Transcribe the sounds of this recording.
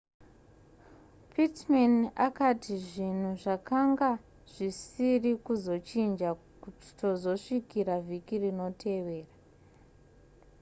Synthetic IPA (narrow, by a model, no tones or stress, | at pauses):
pʰitmanakatʰiʐin̤uʐakaŋɡa | ʐ̥isirikuzo̞t͡ʃind͡ʒa | kuti̥to̞zo̞ʂikiɾavʱikirino̞tʰe̞ʋe̞ːra